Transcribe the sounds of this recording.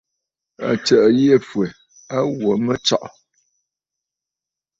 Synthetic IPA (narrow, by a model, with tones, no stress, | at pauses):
a̰˨t͡ʃə˨ʔje˦˨fwɛ˨ | a˦wo˨mə˦t͡ʃa̰˦ʔɔ˨